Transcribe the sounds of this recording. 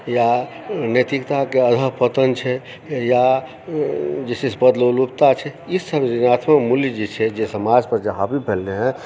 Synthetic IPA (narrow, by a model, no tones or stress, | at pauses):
ja | net̪ikt̪akeəd̪ʱəpət̪ənt͡ʃʰɛ | ja | d͡ʒesisbəd̪lolupt̪at͡ʃʰɛissəbɾinat̪ʰməmuljd͡ʒet͡ʃʰɛd͡ʒesəmad͡ʒpəɾd͡ʒeɦapipelːeɦɛ̃